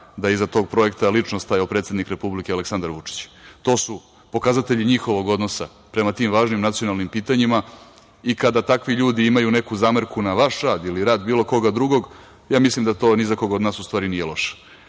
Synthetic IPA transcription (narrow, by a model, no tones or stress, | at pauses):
d̪aizat̪o̞ːɡ̚pɾo̞e̞kt̪alit͡ʂnost̪ajawpɾet̪sed̪nikɾe̞publikealeksand̪aɾʋut͡ʂi̥t͡ɕt̪o̞ːsu | po̞kazat̪e̞ʎiɲixo̞ʋo̞ɡo̞d̪no̞sa | pɾemat̪iːmʋaːʒnimnat̪sijo̞nalˠnimpiːt̪aɲima | ikad̪at̪akʋiʎuːd̪iimajune̞kuzaːməɾkunaʋaʃɾaːd̪iliɾaːd̪biːlo̞ko̞ɡad̪ɾuɡo̞ɡ | jaːmislimd̪at̪o̞ːnizako̞ɡod̪naːsust̪vaːɾinijelˠo̞ʃe̥